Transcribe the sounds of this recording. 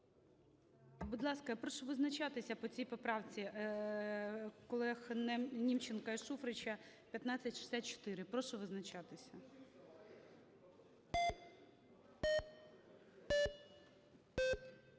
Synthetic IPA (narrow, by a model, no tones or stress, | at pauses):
bud̪lˠɑskɐpɾɔʃɔʋɪznɐt͡ʃɑt̪ɪsʲɐpɔt͡sʲijpɔpɾɑwt͡sʲi | kɔlˠɛxnɛnʲimt͡ʃenkɐiʃufɾɪt͡ʃʲɐpʲjɐt̪nɑt͡sʲɐtʲʃɪ̥sʲat̪̚ʲt͡ʃɔ̥t̪ɪɾɪpɾɔʃɔʋɪznɐt͡ʃɑt̪ɪsʲɐ